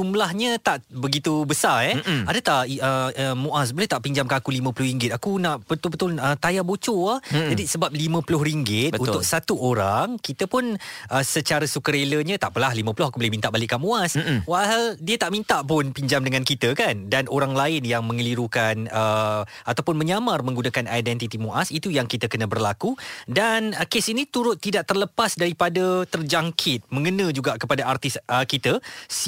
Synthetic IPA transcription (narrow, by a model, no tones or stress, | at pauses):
d͡ʒumlahɲət̪aʔbəɡit̪ubəsaɛadət̪aʔəəmuʔas̬bolɛht̪aʔpiɲd͡ʒamkanakulimə̃pulʊhɾiŋɡɪt̪̚akunaʔbət̪ʊlbət̪ʊlət̪ajabot͡ʃoahd͡ʒadisəbap̚limə̃pulʊhɾiŋɡɪt̪bəut̪ʊk̚sat̪uʔoɾaŋkit̪əpʊnʔəsət͡ʃaɾəsukəɾeləɲə̃t̪aʔpəlahlimə̃pulʊhakubolɛhmint̪aʔbalɪʔkːaʔmũaswaʔhaldiət̪aʔmint̪aʔpʊnpiɲd͡ʒamdəŋãnkit̪əkandanʔoɾaŋlaɪnjaŋmə̃ŋəliɾukanə | at̪awpʊnmə̃ɲamarmə̃ŋɡunakanajdɛnt̪it̪imuʔasit̪ujaŋkit̪əkənəbərlakudanəkesinit̪uɾʊt̪ːidaʔt̪ərləpasdaɾipadat̪ərd͡ʒaŋkʰɪt̪̚mə̃ŋənə̃d͡ʒuɡaʔkəpadaʔart̪ɪsəkit̪əs